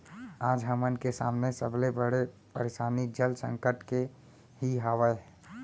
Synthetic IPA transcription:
aːd͡ʒɦəmənkesa̰ːmnesəblebəɽe | pəɾesaːnid͡ʒəlsə̃ŋkəʈke | ɦiɦaʋəe

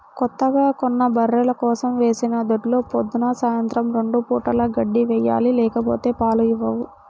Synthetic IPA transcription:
kɔt̪ːɐɡaːkonːɐbɐrːelɐkɔːsɐmʋe̞ːsinɐd̪oʈlo̞ːpod̪ːunɐsaːjɐnt̪ɾɐmɾe̞ɳɖupuːʈɐlɐɡɐɖːiʋɛjːa̰ːlilɛːkɐpo̞ːt̪e̞ːpaːluiʋːɐʋu

